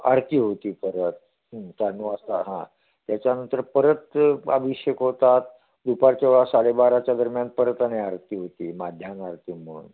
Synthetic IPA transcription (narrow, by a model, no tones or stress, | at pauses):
a̰ɾt̪iːɦot̪iːpəɾət̪̚ | ɦkanːuast̪aɦã̰ | t̪jat͡ɕjanənt̪əɾpəɾət̪a̰ʋiɕjəkɦot̪at̪̚ | d̪upaɾt͡ɕeʋɭasalebaɾat͡ɕjad̪əɾmjanpəɾət̪aneaɾt̪iːɦot̪iːmad̪ʱjanaɾt̪iːmuṵn